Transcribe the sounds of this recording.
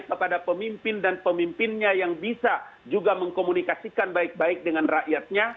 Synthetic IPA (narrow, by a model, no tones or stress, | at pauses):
kəpadapəmimpɪndanpəmimpɪnɲajaŋbisad͡ʒuɡaməŋkomunikasikanbaik̚baik̚dəŋanraʔjat̪̚ɲa